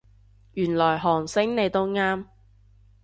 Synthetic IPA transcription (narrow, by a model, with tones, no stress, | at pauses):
jyː˨˩nlɔː˨˩jɦɔː˨˩ŋsɪ˥ŋne˨˧jt̪o˥wŋaː˥m